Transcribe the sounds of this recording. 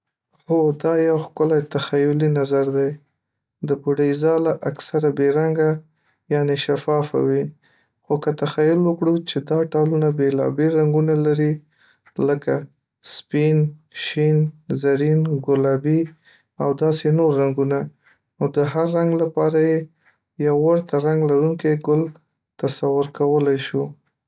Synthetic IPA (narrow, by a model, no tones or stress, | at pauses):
xod̪ɑjawxkəlat̪axajʊlinazaɾd̪aj | d̪əpuɖajzɑlaʔaksaɾabeɾaŋɡa | jɑneʃafɑfa̰wi | xokət̪axajʊlwəkɽut͡ʃed̪ɑʈɑlunabelɑ̰belɾaŋɡunalaɾi | ləka | spinʃinzaɾinɡʊlɑbi | awd̪ɑsenoɾːaŋɡuna | nod̪əɦaɾːaŋɡlapɑɾaje | jawːaɾt̪aɾaŋɡlaɾuŋkeɡʊl | t̪asawʊɾkawəlajʃu